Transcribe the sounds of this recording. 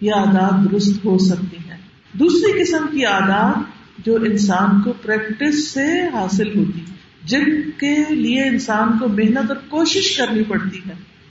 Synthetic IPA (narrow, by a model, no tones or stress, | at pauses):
jeaːd̪aːd̪̚d̪ʊɾʊst̪ɦosɐk̚t̪iɦɛː | d̪uːsɾikɪsəmkiaːd̪aːd̪ | d͡ʒoːʔɪnsaːnkopɾɛːkʈɪsːeɦaːsɪlɦoːt̪i | d͡ʒɪnkelieɪnsaːnkomeɦnət̪ɔːɾkoːʃɪʃkɐɾnipɐɽt̪iɦɛː